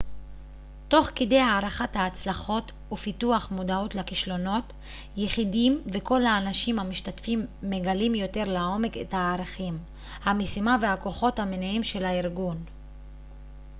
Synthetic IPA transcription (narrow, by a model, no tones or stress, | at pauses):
to̞χkede̞jhaːʁaχathaːt͡slaχo̞t | ufituaχmodaotlakiʃlo̞no̞t | jeχidimve̞ko̞lhaːnaʃimhamiʃtatfimːe̞ɡalimjo̞te̞ʁlao̞me̞kḛthaːʁaχim | hamesimavehako̞χo̞thamenaimʃelaiʁɡun